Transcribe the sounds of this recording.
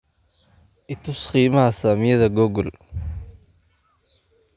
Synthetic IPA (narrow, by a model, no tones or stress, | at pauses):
ʔɪt̪ʰʊsχiːmɐhɐsaːmɪjɐðɐɡɔɡɔl